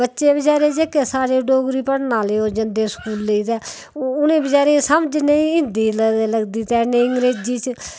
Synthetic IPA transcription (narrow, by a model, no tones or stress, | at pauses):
bətːʃeːbəd͡ʒaːɾeːd͡ʒekːeːsaːɾeːɖoːɡɾiːpəɽnaːleːoːd͡ʒənd̪eːskuːlːeiːt̪ɛː | ʊnẽːbəd͡ʒaːɾeːsəmd͡ʒnẽɪ̃nd̪iːlləɡd̪iːt̪ɛːneːɪŋɡɾeːd͡ʒd͡ʒiːt͡ʃ